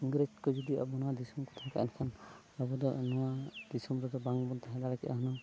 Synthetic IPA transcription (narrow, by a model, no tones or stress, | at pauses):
iŋɡɾed͡ʒkɔd͡ʒɔd̪ia̰bɔnɔwad̪isɔmkɔt̪ʰaka̰ʔɛ̰nkʰan | abɔd̪ɔnɔwad̪isɔmɾɔd̪ɔbaŋbɔnt̪ʰaɦɛd̪aɾakiʔa̰ɦɔnɔ